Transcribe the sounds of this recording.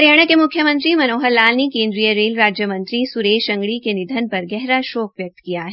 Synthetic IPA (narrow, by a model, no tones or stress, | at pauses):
ɾeɽ̃əkemʊkʰjəmə̃nt̪ɾimɐnoːɦəɾlaːlnekẽːnd̪ɾijəɾeːlɾaːd͡ʒjəmə̃nt̪ɾisuɾeːʃɐ̃ŋɡɽikenɪd̪ʱənpɐɾɡɛɦɾaʃoːk̚ʋjɐk̚t̪kijaɦɛ